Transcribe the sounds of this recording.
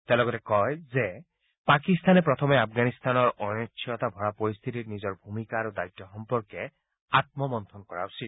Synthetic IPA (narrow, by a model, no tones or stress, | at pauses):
t̪ɛlɔɡɔtɛkɔjzɛ | pakist̪anɛpɹɔt̪ʰɔmɛapʰɡanist̪anɔɹɔɔtʰːɔt̪abʱɔɹapɔɹist̪ʰititnizɔɹbʱumikaːɹudajt̪ːɔxɔmpɔɹkɛ | at̪̚mɔmɔnt̪ʰɔnkɔɹa̰usi